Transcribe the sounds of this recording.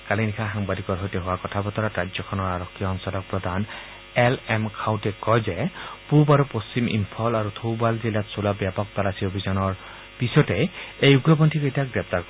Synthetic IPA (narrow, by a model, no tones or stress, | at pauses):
kalinikʰaxaŋbad̪ikɔɹɦɔjtɛɦowakɔtʰabɔt̪ɔɹatɹad͡ʒjɔkʰɔnɔɹaɹɔkʰːijɔɔnsɔlɔk̚pɹɔd̪ʱan | ɛlɛmkʰawtɛkɔjzɛpubaɹupost͡ɕimʔḭmpʰɔlaɹut̪ʰowbalzilatsolabjapɔk̚t̪alasiobʱizɔnɔɹ | pisɔtɛejuɡɹɔbɔntʰikejtakɡɹɛp̚t̪aɹkɔ